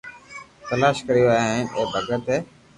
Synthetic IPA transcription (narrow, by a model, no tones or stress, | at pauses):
t̪əlaːʃkəɾijoaːaːɦɪnʔeːbʱəɡət̪eː